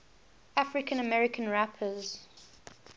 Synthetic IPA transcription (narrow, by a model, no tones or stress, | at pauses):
afɹɪkə̃nəmɛɹɪkʰə̃nɹapʰəz